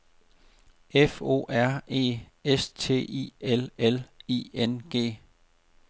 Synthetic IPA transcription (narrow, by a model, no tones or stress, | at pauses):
efo̝̰ːæɐ̰e̝̰ː | est͡sʰe̝̰ːḭelelḭːenɡ̥e̝̰ː